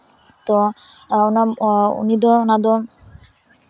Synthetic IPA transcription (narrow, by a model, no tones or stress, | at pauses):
t̪ɔ | unaṵnid̪ɔnad̪ɔ